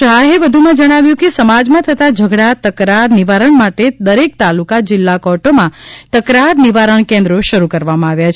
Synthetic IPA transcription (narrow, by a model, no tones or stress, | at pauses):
ʃaɦeʋəd̪ʱumãd͡ʒəɽ̃aʋjũkesəmad͡ʒmãt̪ʰət̪ad͡ʒʱəɡɽat̪əkɾaɾniʋaɾəɳmaʈed̪əɾek̚t̪alukad͡ʒɪlːakɔʈomãt̪əkɾaɾniʋaɾəɳkẽnd̪ɾoʃəɾukəɾʋamãaʋjat͡ʃʰ